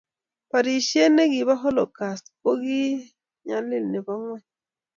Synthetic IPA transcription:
pa˨ɾi˨ʃe˦ne˦ɡi˨βa˦ɦo˦lo˨ka˨st̪ko˦ɡi˦ | ɲa˨li˦˨lnɛ˨ba˦ŋwɛ˦˨

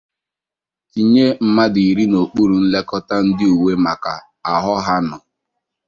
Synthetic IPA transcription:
i˨ɲe˦m̩˦ma˦di˨ɾi˦no˨k͡pu˦ɾu˨n̩˦le˦kɔ˦ta˦n̩˦dɪ˦u˨we˦ma˨ka˨ | a˨ɦɔ˦ɦa˦nɔ˨

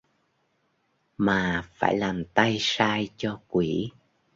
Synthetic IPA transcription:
maː˨˩fa̰ː˧˩jlaː˨˩mt̪a˧jsaː˧jt͡ɕɔ˧kwi˧˩

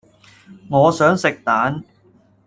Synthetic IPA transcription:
ŋɔː˨˧sœː˨˥ŋsɪ˨k̚t̪aː˨˥n

